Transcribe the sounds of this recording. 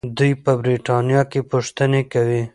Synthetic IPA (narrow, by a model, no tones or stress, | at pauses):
d̪ujpəbɾiʈɑnijɑkepʊʂt̪ənekawi